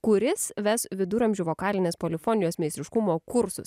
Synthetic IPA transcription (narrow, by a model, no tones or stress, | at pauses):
kʊɾʲɪsʋʲɛsʋʲɪd̪ʊɾɐmʲʒʲuːʋoːkɑːlʲɪnʲeːspoːlʲɪfɔːnʲɪjoːsmʲɛɪst̪ʲɾʲɪʃkʊmoːkʊɾsʊ̰s